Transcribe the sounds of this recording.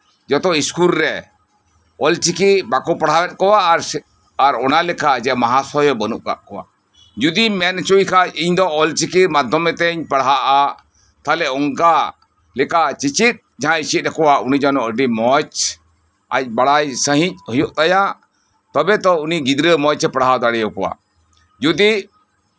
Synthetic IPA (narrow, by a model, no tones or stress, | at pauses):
d͡ʒɔt̪ɔiskulɾɛ | ɔlt͡ʃikibakɔpaɽawɛt̪̚ˀkɔwaʔɾ | aɾɔnalɛkad͡ʒɛmaɦasɔjɔbənuʔka̰ʔkɔwa̰ʔ | d͡ʒud̪imɛnt͡ʃujkʰaiɲd̪ɔɔlt͡ʃikimad̪ʱɔmɛt̪ɛɲpaɽɦaʔa | t̪alɛɔŋka | lɛkat͡ʃit͡ʃit̪̚d͡ʒaɦãit͡ʃit̪̚ɾɛkɔwaunid͡ʒanɔʔəɖimɔt͡ʃ | a̰c̚baɽajsəɦĩc̚ˀhɔjɔʔt̪aja | t̪ɔbɛt̪ɔuniɡid̪ɾəmɔt͡ʃɛpaɽɦawd̪aɽɛjɔkɔwa̰ | d͡ʒud̪i